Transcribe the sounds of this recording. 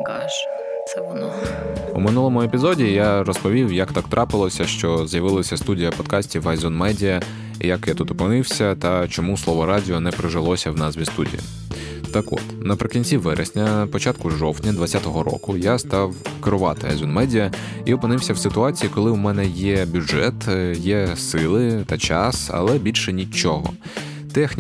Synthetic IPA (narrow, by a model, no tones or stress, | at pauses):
kɑʃ | sɛn | ṵmɪnulˠɔmʊepʲizɔdʲijarɔspɔʋʲiwjɐkt̪ɑkt̪ɾʔɑpɪlˠɔsʲɐʃt͡ʃɔzjɐʋɪlˠɐsʲɐst̪udʲijɐpɔd̪kɑsʲtʲiʋɐjzʲunmɛdʲijɐ | ḭjɐkjat̪ut̪ɔpenɪwsʲɐt̪ɐt͡ʃɔmuslˠɔʋɔɾɑdʲɪɔnɛpɾɪʒɪlˠɔsʲɐwnɑzʋʲist̪udʲḭjḭ | t̪ɐkɔ̰t̪nɐpɾɪkʲinʲt͡sʲiʋɛɾʔḛsʲnʲɐpɔt͡ʃat̪kʊʒɔwt̪ʲnʲɐd̪ʋɐt͡sʲːat̪ɔɦɔɾɔ̰kʊjast̪ɑwkeɾʊʋɑt̪ɪɐ̰jzɔnmɛdʲijɐ | iɔpɪnɪwsʲɐwsɪt̪ʊɑt͡sʲijikɔlˠɪwmɛnɛjɛbʲʊʐɛt̪jɛsɪlˠɪt̪ɐt͡ʃɑsɐ̰lˠɛbʲilʲʃɛnʲit͡ʃɔɦɔ̰ | t̪ɛxnʲ